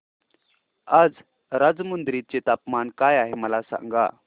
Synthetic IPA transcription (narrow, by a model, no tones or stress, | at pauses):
ad͡z | ɾad͡zmənd̪ɾit̪̚t͡set̪apmankajaɦeməlasa̰ŋɡa̰